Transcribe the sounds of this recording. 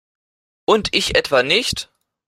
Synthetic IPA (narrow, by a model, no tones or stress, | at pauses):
ʔʊntɪçʔɛtv̥anɪçt